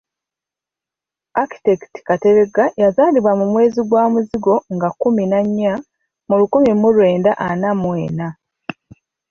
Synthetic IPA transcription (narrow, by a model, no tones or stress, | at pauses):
aki̥tekti̥kate̞ɾeɡajazaːliβwamumwe̞ːziɡwaːmuziɡo̞ŋɡakuminaɲːa | mulukumimulwe̞ːndaʔanamwe̞ːna